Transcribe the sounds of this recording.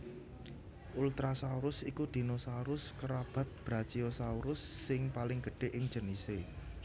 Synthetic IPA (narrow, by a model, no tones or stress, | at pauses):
ʔult̪ɾasauɾʊsikud̪̥i̤nosauɾʊskəɾab̥a̤t̪̚b̥ɾat͡ʃiosauɾʊsːɪŋpalɪŋɡ̥əɖ̥e̤ʔɪŋ̥d͡ʒənise